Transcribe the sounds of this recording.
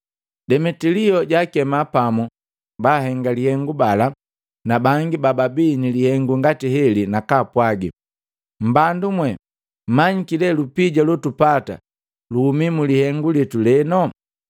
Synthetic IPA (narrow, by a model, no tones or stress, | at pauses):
dɛmɛtiliɔɟakɛmapamu | baɦɛŋɡalihɛŋɡubala | nabaŋɡibababinilihɛŋɡuŋɡatiɦɛlinakaːpwaɡi | m̩bandumwɛ | m̩maɲikilɛlupiɟalɔtupata̰ | luhumimulihɛŋɡulɛtulɛnɔ